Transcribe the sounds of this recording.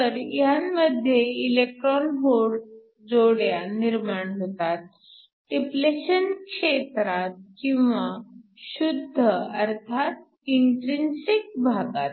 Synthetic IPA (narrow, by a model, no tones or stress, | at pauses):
t̪əɾjamməd̪ʱːjeilek̚ʈɾɔnɦoɾ | d͡zoɽjaniɾmaɳɦot̪at̪̚ | ʈipleɕənkʂet̪ɾat̪̚kĩw̃ʋaɕud̪ʱːəəɾt̪ʰat̪̚ | iɳʈɾinsik̚bʱaɡat̪